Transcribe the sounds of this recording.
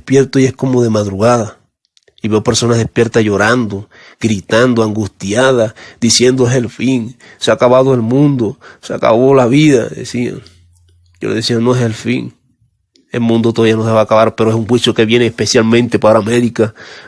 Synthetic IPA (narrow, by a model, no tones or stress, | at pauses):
epje̞ɾt̪oie̞hko̞moðe̞maðɾuɣaða | iβe̞ope̞ɾso̞naðe̞hpje̞ɾt̪aʝo̞ɾand̪o | ɡɾit̪and̪oaŋɡust̪jaðad̪isje̞nd̪oese̞lfiŋ | seakaβaðoe̞lmũnd̪o̞sea̰ka̰βo̞laβiðaðḛsia̰ŋ | jolðesianːoeselfḭŋ | e̞lmũnd̪ot̪oaβianoseβakaβaɾpeɾoesuŋxwisjoke̞βje̞neːhpe̞sjalmẽnt̪e̞paɾame̞ɾika